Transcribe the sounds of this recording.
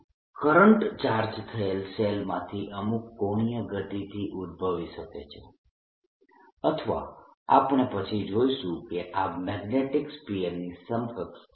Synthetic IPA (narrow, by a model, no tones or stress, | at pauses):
kəɾəɳʈt͡ʃaɾd͡ʒt̪ʰəelselmãt̪ʰiʔəmukːoɳ̃ijəɡət̪it̪ʰiʔud̪̚ʱbʱəʋiʃəket͡ʃʰe | ət̪ʰʋa̰a̰pɳ̃epət͡ʃʰid͡ʒoiʃũkeʔamɛɡneʈikspiemnisəmfəks